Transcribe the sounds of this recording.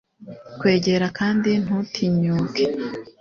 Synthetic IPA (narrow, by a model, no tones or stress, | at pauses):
kwe̞ːɟe̞ɾakaːndin̥hutʰiɲuːke